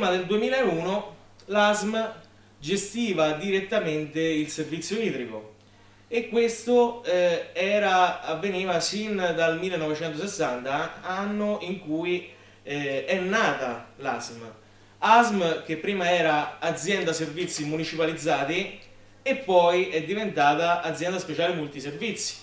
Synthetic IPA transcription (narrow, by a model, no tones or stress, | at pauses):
mad̪eld̪uemiːlaeuːno | lazm | d͡ʒest̪iːvad̪iɾet̪ːament̪eilservit̪sːjoiːt̪ɾiko̰ | ekːwest̪oɛɛːɾaːvːeniːvasind̪almilːenɔvet͡ʃɛnt̪osesːant̪aanːoiŋkui | ɛnːaːt̪alazm | azmk̟epːɾiːmaɛːɾaːd̪zːjɛnd̪aservit̪sːimunit͡ʃipalid̪zːaːt̪i | epːɔjɛd̪ːivent̪aːt̪aʔːd̪zjɛnd̪aspet͡ʃaːlemolt̪iservit̪sːi̥